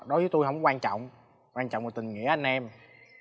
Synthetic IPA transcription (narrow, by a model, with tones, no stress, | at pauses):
ɗo˨˦jzəː˨˦jt̪o˧jɦə˧˥wŋ͡mkwaː˧nt͡ɕɔ̰˧˨wŋ͡m | kwaː˧nt͡ɕɔ̰˧˨wŋ͡mo˨˩t̪i˨˩ŋ̟ŋḭ˧˥əʔa˧jŋ̟ʔɛ˧m